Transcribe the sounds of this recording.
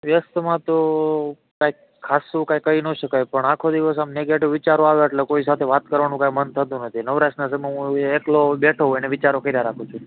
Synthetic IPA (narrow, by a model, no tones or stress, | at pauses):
ʋjəst̪mãt̪o | kajkʰːasũkajkːəinoʃəkajpəɳakʰod̪iʋəsamneɡeʈiʋʋɪt͡ʃaɾoaʋoeʈlekois̬at̪ʰeʋat̪kəɾʋanũkãimənt̪ʰət̪ũnət̪ʰinəʋɾaʃnas̬əmãɦũeklobeʈʰəũeneʋɪt͡ʃaɾokəɾaɾakʰũt͡ʃʰũ